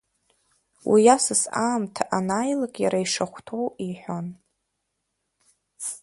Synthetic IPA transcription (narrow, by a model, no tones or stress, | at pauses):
wʔḭjasɨsaːmtʰaʔanajlakʼjaɾaiʂaχʷtʰowiħʷon